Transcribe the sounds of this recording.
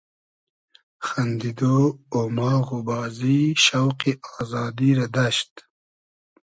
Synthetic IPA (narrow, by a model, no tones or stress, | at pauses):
xand̪id̪oomɑːɣubɑːziʃawqiʔɑːzɑːd̪iɾad̪aʃt̪